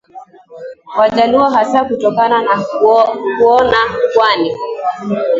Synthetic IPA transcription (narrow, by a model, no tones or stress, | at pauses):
wad͡ʒaliwaɦasakutɔkanana | kuɔnakwani